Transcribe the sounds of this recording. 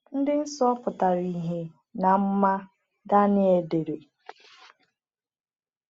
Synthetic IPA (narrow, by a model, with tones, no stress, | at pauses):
n̩˦dɪ˦n̩˦sɔ˦pʊ˨ta˨ɾi˨ɦe˨ | na˨m̩˦ma˦ | da˦nɪ˦e˨de˨ɾe˨